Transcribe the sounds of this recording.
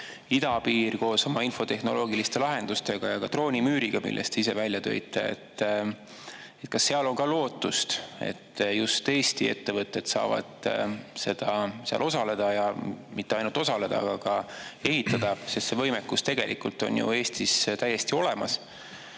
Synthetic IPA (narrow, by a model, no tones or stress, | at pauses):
id̪ɑpiːrko̞ːso̞mɑinfo̞t̪e̞hno̞̰lo̞ːɡilist̪e̞lɑɦe̞nd̪ust̪e̞ɡ̥ɑjɑkɑt̪ro̞ːnʲimyːɾiɡ̥ɑmḭlːʔḛst̪eis̬e̞vælʲjɑt̪ø̞̰it̪ːˑḛḛt̪ː | et̪̚kɑsːe̞ɑlo̞ŋkɑlo̞ːt̪ˑːust̪ḛt̪ːjust̪e̞ːst̪ie̞t̪ːe̞vɤt̪ːˑe̞d̪̥sɑ̰ːvɑ̰d̪̥se̞d̪̥ɑseɑ̰lʔo̞sɑle̞d̪̥ɑjɑmit̪ːeɑjnult̪o̞sɑle̞d̪̥ɑ̰ɑɡ̥ɑkɑe̞ɦit̪ːˑɑd̪̥ɑsest̪se̞vɤ̞jmekːˑust̪e̞ɡe̞̰lʔikult̪o̞̰njṵe̞ːst̪ist̪æje̞st̪io̞le̞mɑs